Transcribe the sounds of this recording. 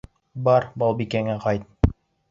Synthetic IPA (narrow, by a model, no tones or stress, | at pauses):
bɑɾbɑlˠbikæŋæqɑjt̪̚